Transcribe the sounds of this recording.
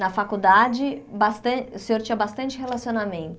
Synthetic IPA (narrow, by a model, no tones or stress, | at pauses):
nɐfakud̪ad͡ʒɪbast̪ɐ̃seoɾt͡ʃĩɐbast̪ɐ̃nt͡ʃɪhelasionamẽnt̪